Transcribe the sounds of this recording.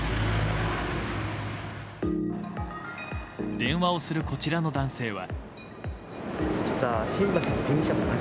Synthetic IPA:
d̪̥ẽ̞ɰ̃βao̞sɨɾɯ̟ko̞t͡ɕiɾano̞d̪ãɰ̃se̞ːβa̰ | ɕi̥saɕĩmbaɕinokẽɰ̃ɕamona

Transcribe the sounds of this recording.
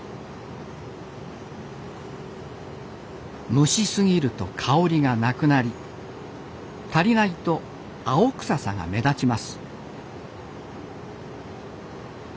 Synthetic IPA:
mɯ̟ɕisɨɡʲiɾɯ̟t̪o̞̰kʰaoɾʲiɡanakɯ̟naɾʲi | t̪aɾʲinait̪o̞ | aokɯ̟̥sasã̰ŋɡa̰me̞d̪at͡ɕimasɨ̥

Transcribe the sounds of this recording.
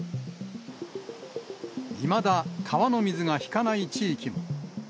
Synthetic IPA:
imad̪akʰaβano̞mʲizɨɡaçi̥kanait͡ɕiːkʲimo

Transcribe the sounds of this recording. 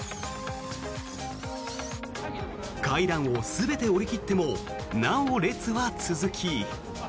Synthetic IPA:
kaiɾãɰ̃o̞sɨbe̞t̪e̞o̞ɾʲikʲit̪ːe̞mo̞ | nãɰoɾe̞t͡sɨβat͡sɨzɨkʲʰi

